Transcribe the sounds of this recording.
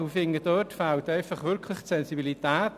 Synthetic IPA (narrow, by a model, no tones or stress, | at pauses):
ufɪŋədœtfaʊt̪ɛɪfaχʋʏɾkʰlɪχsɛnsibilit̪æːt